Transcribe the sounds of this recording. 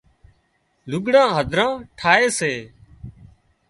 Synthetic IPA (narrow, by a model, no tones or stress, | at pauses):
lʊɡɽãːɦəd̪ʱɾãːʈʰaːeːseː